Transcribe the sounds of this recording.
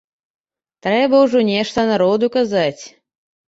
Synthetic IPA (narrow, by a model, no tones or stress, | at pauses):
t̪ɾɛbɐwʐɔnʲɛʂt̪ɐnaɾɔd̪ukazat͡sʲ